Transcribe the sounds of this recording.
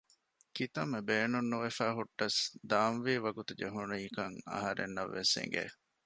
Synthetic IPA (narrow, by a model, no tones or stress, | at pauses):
kit̪ɐmːebeːnunːuʋefæːɦuʈːɐsd̪aːnʋiːʋɐɡut̪ud͡ʒeɦuniːkɐŋɐ̰ɦɐɾḛnːɐʋːesḛŋɡḛː